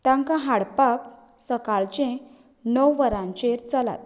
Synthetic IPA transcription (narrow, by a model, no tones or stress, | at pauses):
t̪ãŋkãɦaɽpak | səkaɭt͡ɕẽ | nəwʋəɾãɲt͡ɕeɾt͡sala̰t̪̚